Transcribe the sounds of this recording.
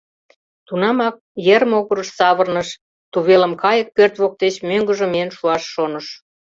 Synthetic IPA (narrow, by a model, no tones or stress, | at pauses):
t̪unɑmɑk̚jeɾmoɣəɾəʃsɑβərnəʃ | t̪uβelə̆mkɑjə̆k̚ːørt̪βok̚t̪et͡ɕmøŋɡə̆ʒə̆meenʃuɑʃːonəʃ